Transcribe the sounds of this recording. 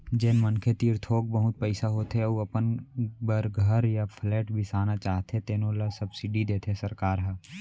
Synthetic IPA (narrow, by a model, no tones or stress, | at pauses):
d͡ʒeːnmənkʰet̪iːɾt̪ʰoːk̚bəɦʊt̪̚pɛɪsaɦoːt̪ɦeuɐpənbəɾɡʱəɾjapʰlɛːʈbʱisaːnat͡ʃaːɦt̪ẽt̪eːnõːlasɐbsɪɖid̪eːt̪ʰesəɾkaːɾɦɛ